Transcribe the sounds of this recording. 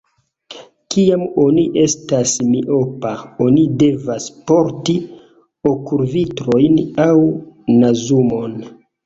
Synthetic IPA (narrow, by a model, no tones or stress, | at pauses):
kiamoniʔe̞stasmiʔo̞paonide̞vaspo̞ɾti | o̞kuɾvitɾo̞jnawnazumo̞n